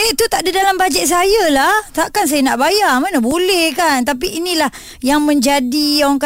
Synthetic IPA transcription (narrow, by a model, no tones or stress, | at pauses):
eʔt̪ut̪aʔdidalambad͡ʒɛt̪̚s̬ajalaht̪aʔkans̬ajənaʔbajamanəbolɛhkant̪ap̬iːnilah | jaŋmə̃ɲd͡ʒadiaaŋk